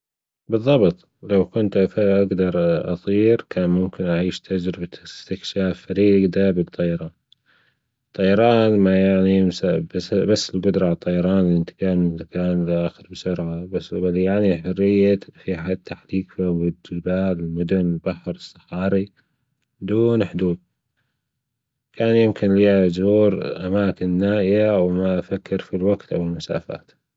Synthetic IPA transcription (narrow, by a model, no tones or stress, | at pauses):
bɨðˤːɑbt̪ˤ | lawkʊnt̪afaʔaɡd̪ɑɾˤʔɑ̰sˤiːɾkʰaːnmʊmkɪnʔaʕiːʃt̪ʰad͡ʒɾɪbaɪst̪ɪkʃaːfːaɾiːɡd̪abɨt̪ˤːɑjɑɾˤɑːn | t̪ˤːɑjɑɾˤɑːnmajaʕniɪmsabsbasːɪlɡʊd̪ɾˤɑʕt̪ˤːɑjɑɾˤɑːnlʔɪnt̪ɪ̥kaːnmɪakaːnlʔaːxɪɾbɪsʊɾʕabasbaljaʕniħʊrːɪjːafiħat̪ʰːaħliːkfiwɪd͡ʒɪbaːlɪlmʊd̪ʊnɪlbaħɾɨsˤːɑ̥ħɑːɾi | bd̪uːnħd̪uːd̪ | kʰaːnjɪmkɪnliad͡ʒuːɾʔamaːkɪnːaːʔɪjawmaʔafakːɪɾfilwaɡt̪ʔawɪlmʊsa̰ːfa̰ːt̪